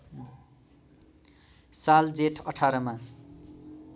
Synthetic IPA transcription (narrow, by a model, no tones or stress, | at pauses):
sald͡zeʈʰʌʈʰaɾʌma